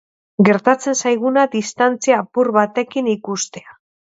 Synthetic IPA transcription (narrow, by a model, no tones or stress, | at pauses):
ɡe̞ɾt̪at͡se̞nsajɣunaðist̪ant͡siaːpuɾβat̪e̞kinikust̪e̞a